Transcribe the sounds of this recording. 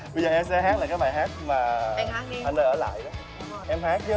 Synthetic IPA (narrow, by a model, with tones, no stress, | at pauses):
ɓə˧zəː˨˩ʔɛ˧msɛ˧ɦaː˦˥k̚a˨˩kaː˦˥jɓaː˨˩jɦaː˦˥t̚maː˨˩˧aː˦˥k̚aː˨˩nəː˧˩jəː˧˩˦la̰ː˧˨jɗaː˨˦ | ʔɛ˧mhaː˦˥k̚t͡ɕə˨˦